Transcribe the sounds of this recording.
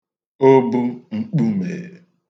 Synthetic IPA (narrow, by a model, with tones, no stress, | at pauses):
o˦bu˦ŋ͡m̩˨k͡pu˦mḛ˨